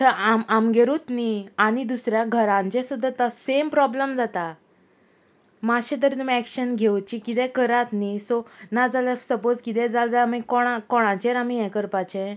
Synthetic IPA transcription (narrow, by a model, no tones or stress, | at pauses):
t̪əɾʔamamɡeɾut̪niañid̪usɾjaɡʱəɾãɲt͡ɕɛ̃sud̪ʱːat̪asempɾɔbləmd͡zat̪a | maɕɛ̃t̪̬əɾt̪umiɛkɕənɡʱewt͡ɕikit̪ɛ̃kəɾat̪nisɔnad͡zaləsəpod͡zkit̪̬ɛ̃d͡zald͡zalmãkɔɽ̃akɔɽ̃ãt͡ɕeɾamiɛ̃kəɾpat͡ɕɛ̃